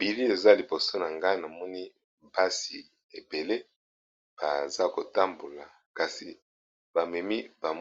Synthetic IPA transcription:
bi˨li˦e˨za˦li˨bo˨so˦na˨ŋɡa˦na˨mɔ˦ni˦ | ba˦si˨ | e˨be˨le˦ | b̥a˨za˦ko˨ta˦mbo˨la˨ | ka˨si˨ | ba˨mɛ˨mi˦ba˨m

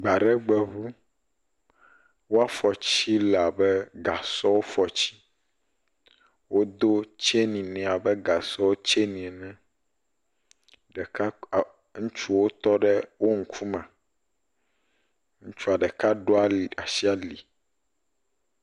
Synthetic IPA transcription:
ɡ͡ba˨ɖɛ˦ɡ͡bɛ˨βu˦ | wo˦a˨fɔ˨t͡ɕi˦la˨bɛ˦ɡa˨sɔ˦wo˦fɔ˨t͡ɕi̥˦ | wo˦d̪o˦t͡ʃe˦nĩ˨nɛ̃˨a˨bɛ˦ɡa˨sɔ˦wo˦t͡ʃe˦nĩ˨ɛ˨nɛ̃˦ | ɖɛ˨ka˦˨ | ŋũ˦t͡ʃu˦wo˦t̪ɔ˦ɖɛ˦wo˦ŋ̩˦kʰu˦mɛ̃˨ | ŋũ˦t͡ʃu˦a˨ɖɛ˨ka˦ɖo˦a˨a˨si˦a˨li˨

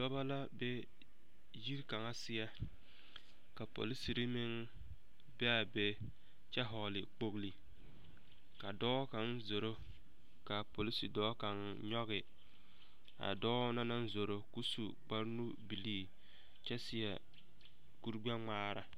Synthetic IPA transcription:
dɔ˦ba˦la˦be˦ | ji˦ɾka˨ŋa˦sɪ˦ja˦ | ka˨po̰˨li˦si˨ɾi˦mɪ˦ŋ | bɛ˦a˨be˦ | t͡ʃɛ˦ɦɔ˨lɪ˨k͡po˦ɣli˨ | ka˨dɔː˦ka˨nzo˨ɾo˦ | ka˨po˨li˦si˨dɔː˦ka˨n | ɲɔ˦ɣɪ˨ | a̰˨dɔː˦na˦na˦n˦zo˨ɾo˦ku˦su˨k͡pa˦ɾnu˦bi˨liː˦ | t͡ʃɛ˦sɪ˦ja̰˨ | ku˦ɾɡ͡bɛ˦ŋ͡maː˦ɾa̰˨

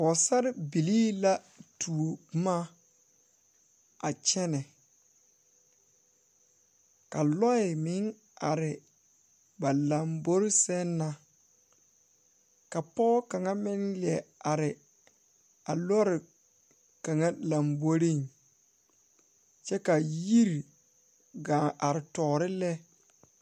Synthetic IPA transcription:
ɔ˨sa˦ɾɪ˦bi˨liː˦la˦ | tʰu˨o˨˦ma˦ | a˨t͡ʃɛ˦nɛ˨ | ka˨lɔ˦ɪ˨mɪ˨˦ŋ | a˨ɾɪ˨ | ba˨la˨mbo˦ɾɪ˦sɛ˦nːa˨ | ka˨pɔ˦ka˨ŋa˦mɪ˦nli˨ɛ˨a˨ɾɪ˨ | a˨lɔ˦ɾɪ˨ | ka˨ŋa˦la˨mbo˦ɾi˦˨ŋ | t͡ʃɛ˦ka˨ji˦ɾ | ɡa˨ʔa˨ɾɪ˨tɔː˨ɾɪ˦lɛ˦

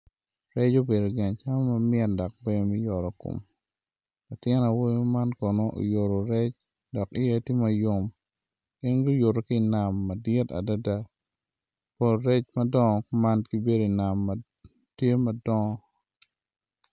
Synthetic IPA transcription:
ɾɛ˦t͡ʃo˦be˨do˨ɡɛ˨ɲt͡ʃa˦mo˦mɐ˦mɪɛ˨dɔ˨k̚be˦˨mi˦jɔ˨ɾɔ˨ko̰˨m | la˨tɪ˦na˨wo˦ɲo˦ma˦nkɔ˨no˦ʔo̰˨jo˨ɾo˨ɾɛ˦t͡ʃ | dɔ˨ki˦e˦ti˦ma˨jo˦m | kɪ˦nɡo˦jo˨ɾo˨ki˦˨na˨mːɐ˨dɪ˦ta̰˨da˦da˦ | po˨lɾe˦t͡ʃmɐ˦dɔ˦ŋɔ˨kma˦nɡi˦be˦do˨i˨na˨mː | tje˦mɐ˨dɔ˦ŋɔ˦

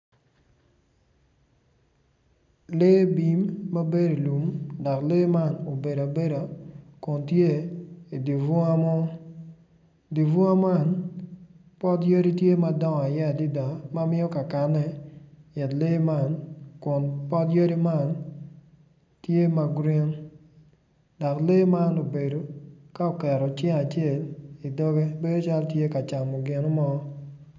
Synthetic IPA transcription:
le˦bi˨mːa˦be˦di˨lu˨mda˨kle˦ma˦˨no˨be˨da˨be˦ɾa˨kʊ˨ntje˦i˨di˨vʊ˦a˦mɔ˦ | di˨vʊ˦a˦ma˦˨n | pɔ˦tjə˦ɾi˦tje˦ma˨dɔ˦ŋ˨a˨ja˦˨di˦da˨ma˦mɪ˦ɔ˦ka˨ka˨nːɛ˦jɛ˨tle˦ma˦˨nkʊ˨npɔ˦tje˦ɾi˦ma˦˨n | tje˦ma˨ɡɾɪ˦ŋ | da˨kle˦ma˦no˨be˨do˨ka˦o˨kɛ˨ɾɔ˨t͡ʃɛ˦a˨t͡ʃe˦˨li˨dɔ˦ɡe˦be˦do˦t͡ʃa˦ltje˦ka˨t͡ʃa˨mɔ˨ɡɪ˨no˦mɔ˦

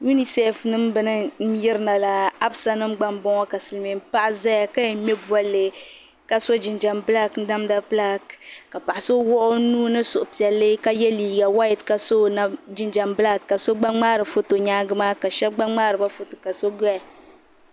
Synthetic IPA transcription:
ju˦ni˨sɛ˦fnɨ˦m˦bɨ˦nɨ˦m̩˦jɪ˦ɾɨ˦na˨la˨a˦bsa˦nɨ˦mɡ͡ba˦mbɔ˦ŋɔ˦ka˨sɨ˨lme˨m˦pa˦ʔza˦ja˨ka˦jɛ˨˦mɛ˦bu˦a˦lːɨ˨ | ka˦so˦d͡ʒi˨nd͡ʒa˨mbɨ˦la˦kn̩˦da˦mda˦pla˦kka˨pa˨ʔa˨so˦wɔ˦ʔʊ˦nuː˦nɨ˦sʊ˨ʔʊ˨pi˨ɛ˨lːɨ˦ka˦jɛ˦liː˨ɡa˨wa˦jɪ˨tka˦so˦na˦d͡ʒi˦nd͡ʒa˨mbɨ˦la˦kːa˨so˦ɡ͡ba˦ŋ͡maː˦ɾɨ˨fo˦to˨ɲaː˦ɡɨ˦maː˦ka˨ʃɛ˦b̚ɡ͡ba˦ŋ͡maː˦ɾɨ˨ba˦fo˦to˨ka˨so˦ɡa˨

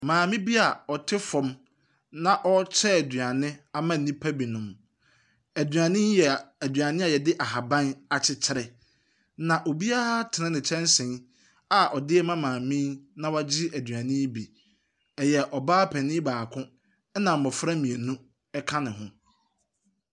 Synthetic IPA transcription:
mãː˨mɪ̃˦bi˦a˨ɔ˨tʰɪ˦fɔ̃˦m | nã˦ʔɔ˦t͡ɕʰɛ˦æ˨dɥa˨nɪ̃˦a˦mã˦n̩˨nĩ˦pʰa˦bi˨nʊ̃˨m | æ˨dɥã˨nɪ̃˦njɛ˨æ˨dɥa˨nɪ̃˦a˨jɛ˨dɪ˦ʔa˨ɦa˨bã˦na˨t͡ɕʰɪ˦t͡ɕʰɪ˦ɾɛ˨ | nã˨ʔo˨bi˦a˦a˦tʰɪ˨nɪ̃˦nɪ̃˨t͡ɕʰɛ̃˦n˦sɪ̃˨n | a˨ʔɔ˨dɪ˦ɛ˦mã˦mãː˨mĩ˦nã˦wa˦d͡ʑɪ˦æ˨dɥã˨nɪ̃˦bi˨ | ɛ˨jɛ˨ʔɔ˨baː˦pʰɛ˨nɪ̃˦baː˨kʰʊ̃˦ | nã˨m̩˨mɔ̃˨fɾa˦mĩ˨e˨nũ˦ | ɛ˦kʰã˦nɪ̃˨ɦʊ̰̃˦

